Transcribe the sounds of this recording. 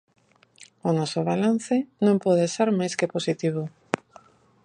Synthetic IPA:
onɔsoβalan̟θɪnõmpɔðesaɾmajskeposit̪iβ̞o

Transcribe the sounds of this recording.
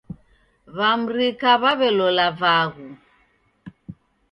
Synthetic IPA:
βam̩ɾikaβaβɛlɔlavaɣu

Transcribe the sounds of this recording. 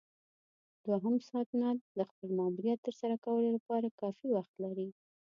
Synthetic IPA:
d̪waɦəmsɑːt̪nad̪əxpəlmɑmuɾjat̪ːəɾsaɾakawəlolapɑɾakɑfiwaxt̪laɾi

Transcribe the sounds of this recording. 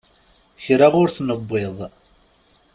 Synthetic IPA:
çɾaʁʊɾθnəbʷːeðˤ

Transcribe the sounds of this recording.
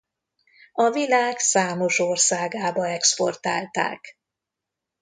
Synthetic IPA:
ɒvilaːɡsaːmo̞ʃorsaːɡaːbɒɛksport̪a̰ːlt̪a̰ːk

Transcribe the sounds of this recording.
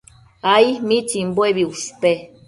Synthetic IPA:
aimĩt͡ʃimboeβiuspe

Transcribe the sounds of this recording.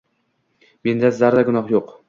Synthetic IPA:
mend̪azaɾd̪aɡʊnɒχjoq

